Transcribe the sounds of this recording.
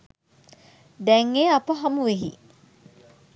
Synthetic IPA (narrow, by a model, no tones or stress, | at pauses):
d̪ɛŋːeːapəɦɐmuʋeɦḭ